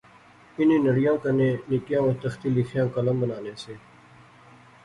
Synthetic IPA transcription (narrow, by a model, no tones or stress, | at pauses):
ɪnĩːnəɽɪjãːkənẽːnɪkjãːoːɾt̪əxt̪iːlɪxʰjãːkələmbənaːnẽːseː